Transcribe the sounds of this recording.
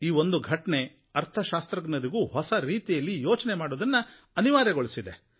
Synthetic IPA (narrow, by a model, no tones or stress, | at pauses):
iːʋo̞nd̪uɡʱɐʈɐne̞ | ɐɾt̪ʰɐʃaːst̪ɾɐɡnɐɾiɡuːɦɔsɐɾiːt̪ijɐlːijoːt͡ʃɐnemaːɽoːd̪ɐnːɐ | ɐniʋaːɾɐɡoɭisid̪e̞